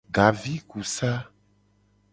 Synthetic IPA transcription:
ɡa˨vi˦ku˨sa˦

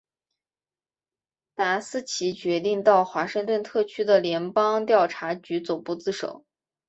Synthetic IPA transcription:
t̪a˧˥sɹ̩˥˩t͡ɕʰi˧˥t͡ɕɥɛ˧˥t̪i˥˧ŋt̪ɑ˥˩ʊxwa˧˥ʂɤ˥˧ŋt̪wə˥˧nt̪ʰɤ˥˩t͡ɕʰy˥d̪ə˨ljɛ˧˥npɑ˥ŋt̪jɑ˥˩ʊʈ͡ʂʰa˧˥t͡ɕy˧˥t͡so˨˩ʊpu˥˧t͡sɹ̩˥˩ʂo̰˨˩˦ʊ

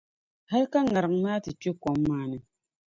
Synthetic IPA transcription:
ha˦lka˦ŋa˨ɾɨ˨ŋmaː˦tɨ˨t͡ʃe˦kɔ˨mː˦aː˨˦nɨ˨

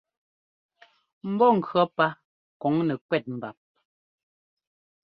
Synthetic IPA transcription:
m̩˦bɔ˦˨ŋ̩˨kɰɔ˨˦pa˦ | kɔ˨˦ŋnɛ˨kwɛ˦t̚m̩˨ba˨p̚

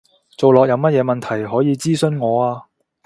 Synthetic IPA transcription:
t͡so˨wlɔː˨k̚jɐ˧wmɐ˥t̚jɛː˨˧mɐ˨nt̪ʰɐ˨˩jɦɔː˨˥jiː˨˧t͡siː˥sɵ˥nŋɔː˨˧aː˧

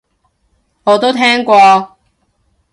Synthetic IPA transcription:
ŋɔː˨˧t̪o˥wt̪ʰɛː˥ŋkʷɔː˧

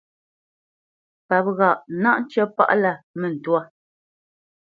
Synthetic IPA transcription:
pa˨p̚ɣa˨ʔna˦ʔn˦t͡ʃɛ˦pa̰˦ʔla˦˨mɛ˨n̩˨twa˦˨

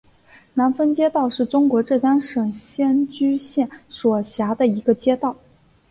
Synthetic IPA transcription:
na˧˥nfə˥nt͡ɕjɛ˥t̪ɑ˥˧ʊʂɻ̩˥˩ʈ͡ʂʊ˥ŋkwɔ˧˥ʈ͡ʂɤ˥˩t͡ɕa˥nʂɤ˨˩ŋɕjɛ˥nt͡ɕy˥ɕjɛ˥˩nʂwɔ˨˩ɕja˧˥d̪ə˧i˧˥ɡə˧t͡ɕjɛ˥t̪ɑ˥˩ʊ

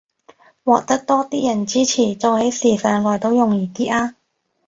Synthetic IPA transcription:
wɔː˨˩k̚t̪ɐ˥k̚t̪ɔː˥t̪iː˥jɐ˨˩nt͡siː˥t͡sʰiː˨˩t͡soː˨˧he˨˥jsiː˨˩sœː˨˧ŋlɔː˨˩jt̪o˧˥wjʊ˨ŋjiː˨˩t̪iː˥ʔaː˧

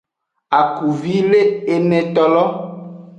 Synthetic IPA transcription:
a˨ku˨vi˦le˦e˨mɛ̃˨t̪ɔ˨lɔ˦

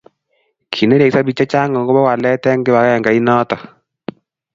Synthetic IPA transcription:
kʰi˨ne˦ɾe˨ksa˦bi˨t͡ʃa˦t͡ʃa˦ŋɔ˨ŋɡɔ˦bɔ˦wa˨lɛ˦tɛ˦ŋɡɪ˦βa˨kɛ˦ja˨ŋɡa˨i˦nɔ˦tɔ˨

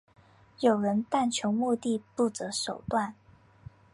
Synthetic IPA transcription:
jo˨˩ʊɻə˧˥nt̪a˥˩nt͡ɕʰjo˧˥ʊmu˥˧t̪i˥˧pu˥˩t͡sɤ˧˥ʂo˨˩ʊt̪wa˥˩n

